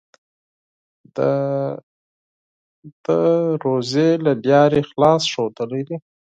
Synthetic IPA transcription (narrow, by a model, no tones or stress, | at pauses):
d̪ə | d̪̥əɾozelabjɑɾexlɑsʃod̪əlad̪i